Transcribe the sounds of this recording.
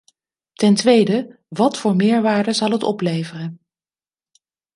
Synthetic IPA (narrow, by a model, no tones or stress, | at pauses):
tɛntʋejdə | ʋɑtfʊːɹmɪːɹʋaːɹdəzɑlˠɦətɔ̰plejvərən